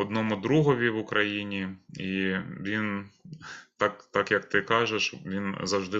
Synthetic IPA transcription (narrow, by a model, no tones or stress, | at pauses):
ɔd̪nɔmʊd̪ɾuɦɔʋʲiʋʊkɾʔɐjinʲiiʋʲin | t̪ɑkt̪ɑkjɐkt̪ɪkɑʒeʃʋʲinzɐwʒd̪ɪ